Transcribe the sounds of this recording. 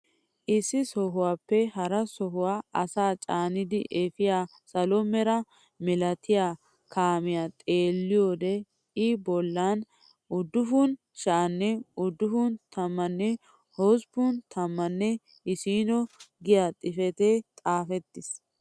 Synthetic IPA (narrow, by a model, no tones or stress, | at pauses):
ʔɪsːɪsɔɦʊwaːpːɛɦɐɾɐsɔɦʊwaːɐsaːt͡ʃʼaːnɪd̪ɪʔefɪjaː | sɐlɔmːɛɾɐ | mɛlɐt̪ʰɪjaː | kaːmɪjaːt̪ʼe̞ːlːɪjoːd̪ɛ | ɪbɔlːaːn | ʊd̪ːʊfʊn | ʃaːnːɛʊd̪ːʊfʊnt̪ʰɐmːɐnːɛ | hɔspʊnt̪ʰɐmːɐnːɛ | ɪsiːnɔɡɪjaːt̪ʼɪfɛt̪eːt̪ʼaːfɛt̪ːɪs